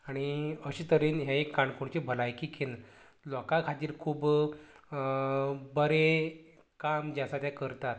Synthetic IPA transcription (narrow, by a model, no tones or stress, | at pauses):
aɽ̃iəɕiːt̪əɾiːnɦjaekːaɳkoɳt͡ɕibʱəlajkiken | lɔkakʰat̪iːɾkʰuːb | bəɾe | kamd͡ʑasat̪jãkəɾt̪at̪̚